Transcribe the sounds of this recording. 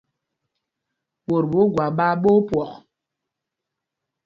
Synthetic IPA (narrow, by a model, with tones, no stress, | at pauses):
ɓo˨ɾbu˨˦ɡwa˨ɓa˦ɓo˦pwɔ˨ʔ